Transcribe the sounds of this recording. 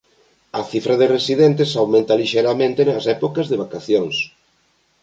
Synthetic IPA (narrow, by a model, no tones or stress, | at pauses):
ɐθifɾɐðeresiðent̪esawmẽnt̪aliʃejɾamẽnt̪enasɛpokɐzðeβakaθjoŋs